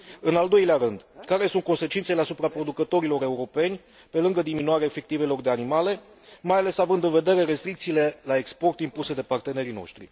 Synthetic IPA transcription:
ɨnald̪o̞jleaɾɨnd̪kaɾe̞sunt̪̚ko̞nse̞t͡ʃint̪sele̞asupɾapɾo̞d̪ukət̪o̞ɾilo̞ɾe̞uɾo̞pe̞nʲ | pe̞lɨŋɡəd̪iminuaɾeaefe̞k̚t̪ive̞lo̞rd̪e̞animale̞ | majale̞savɨnd̪ɨnve̞d̪e̞ɾe̞ɾe̞st̪ɾikt̪siːle̞laekspo̞rt̪impuse̞d̪e̞part̪e̞ne̞ɾino̞̰ʃt̪ɾḭ

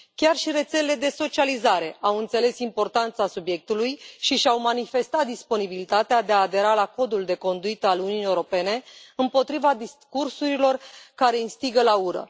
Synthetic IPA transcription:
kʲarʃiɾe̞t̪se̞lele̞d̪e̞so̞t͡ʃializaɾe̞awɨnt̪se̞le̞simpo̞rt̪ant̪sasubje̞k̚t̪ulujʃiʃawmanife̞st̪at̪̚d̪ispo̞nibilit̪at̪ead̪e̞aːd̪e̞ɾalako̞d̪uld̪e̞ko̞nd̪uit̪əaluniunijewɾo̞pe̞ne̞ɨmpo̞t̪ɾivad̪iskursuɾilo̞rkaɾe̞inst̪iɡəlauɾə̰

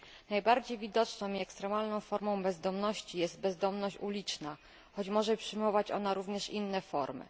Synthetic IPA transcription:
najbaɾd͡ʑejvʲid̪ɔt͡ʂnɔ̃w̃iɛkst̪ɾɛmalnɔ̃w̃fɔɾmɔ̃w̃bɛzd̪ɔmnɔɕt͡ɕijɛzt̪̚bɛzd̪ɔmnɔɕt͡ɕulʲit͡ʂna | xɔt͡ɕmɔʐɛpʂɘjmɔvat͡ɕɔ̰naɾuvɲɛʂinːɛfɔɾmɘ̰

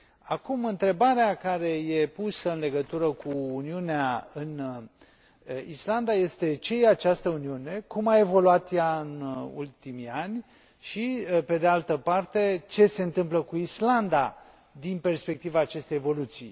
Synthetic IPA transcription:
akumɨnt̪ɾe̞baɾeakaɾe̞jepusəɨnle̞ɡət̪uɾəkuːniuneaɨn | island̪aje̞st̪e̞t͡ʃe̞jeat͡ʃast̪əuniune̞kumae̞vo̞luat̪jaɨnṵlt̪imianʲ | ʃipe̞d̪ealt̪əpart̪e̞t͡ʃe̞se̞ɨnt̪ɨmpləkuisland̪a | d̪inpe̞rspe̞k̚t̪ivaːt͡ʃe̞st̪e̞jevo̞lut̪sḭj

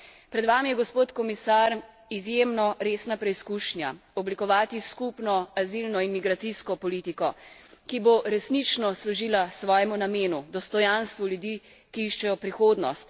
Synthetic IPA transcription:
pɾɛd̪ʋamijɛɡɔspoːt̪kɔmisaɾ | izjemnɔɾeːsnapɾɛiskuːʃnjaɔblikɔʋaːt̪iskupnɔazilnɔinmiɡɾat̪siskɔpɔlit̪ikɔkiboɾɛsnit͡ʃnɔslɔʒiːlasʋɔːjɛmunameːnud̪ɔst̪ɔjanst̪ʋuljud̪iː | kiiʃt͡ʃɛjɔpɾixoːd̪nɔst̪

